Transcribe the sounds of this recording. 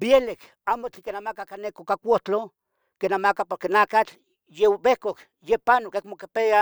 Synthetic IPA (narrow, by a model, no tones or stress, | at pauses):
bjelek | aːmot͡ɬikenamakakanekokakʷoht͡ɬo | kenamakapoɾkenakat͡ɬ | jewbehkok | jepanokekmokepea